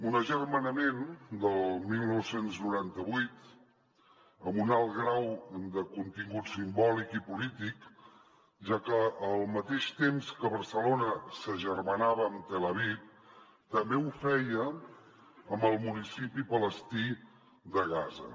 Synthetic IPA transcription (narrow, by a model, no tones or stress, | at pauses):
unəʒərmənəmend̪əlˠmilˠnɔwsenznuɾant̪əβujt̪ | əmunalˠɣɾawd̪əkunt̪iŋɡut̪simbɔlikipulit̪ik | ʒakəːlˠmət̪eʃt̪emskəβəɾsəlonəsəʒərmənaβəːmt̪ələβ̞ip̚ | t̪əmbeufɛjə | əmbəlˠmunisipipələst̪i | d̪əɣazə̰